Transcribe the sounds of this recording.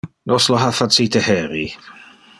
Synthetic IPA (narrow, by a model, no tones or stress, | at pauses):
nɔslɔɦafadsiːtʰəhɛɾi